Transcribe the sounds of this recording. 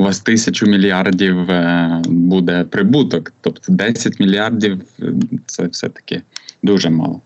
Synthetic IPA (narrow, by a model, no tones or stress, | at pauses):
ʊʋast̪ɪsʲɐt͡ɕʊmʲɪlʲɪardʲiw | bud̪ɛpɾɪbut̪ɔkt̪opt̪ɔd̪ɛsʲɐtʲmʲɪlʲɪardʲifsɛfsʲɛ̰t̪ɐ̥kʲɪd̪uʐɛmɑ̰lˠɐ